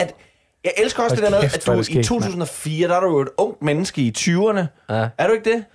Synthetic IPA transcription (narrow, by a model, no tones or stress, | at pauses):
æd̥ | jɑ̈ɪʔelsɡ̥ɐɒ̽sed̥eɐmeðˠæ̥uit͡sʰo̝̰ːt͡sʰṵːsn̩ɒ̽fiːɐd̥ɑɾujoe̝ɾ̥ɔ̽ŋ̰d̥menəsɡ̥əit͡sʰyːɐnəæɐɾue̝ɡ̥̚d̥e̝